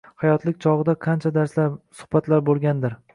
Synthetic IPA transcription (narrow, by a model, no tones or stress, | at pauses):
hajɒt̪ʰlɪk̚ʲt͡ʃʰɒʁɨd̪aqʰɑnt͡ʃʰad̪aɾslaɾsʊ̥hbat̪laɾbolˠɡʲand̪ɪɾ